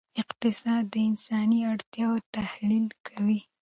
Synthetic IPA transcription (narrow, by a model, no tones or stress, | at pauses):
ɪqt̪ɪsɑd̪ːəɪnsɑniaɽt̪jɑwot̪ahlilkʰawi